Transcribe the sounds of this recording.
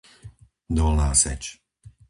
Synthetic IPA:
d̪ɔlnaːsɛ̰t͡ʃ

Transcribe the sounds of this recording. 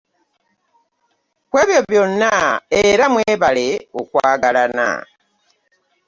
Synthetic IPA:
kwe̞ːβjoβjonaeɾamweːβaleukwaːɡalana̰

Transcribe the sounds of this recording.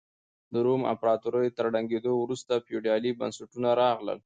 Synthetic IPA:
d̪əɾoma̰pɾɑt̪uɾəjt̪əɾɽaŋɡed̪owɾust̪apjuɖiɑliba̰nsaʈunaɾɑɣlə̰l

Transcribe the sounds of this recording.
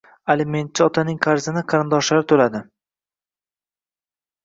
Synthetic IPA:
alɪme̞nt̪̚t͡ʃʰɪɒt̪ʰanɪŋqʰɑɾzɪnɪqʰɑɾɪnd̪ɒʃlaɾt̪ʰolad̪ɪ

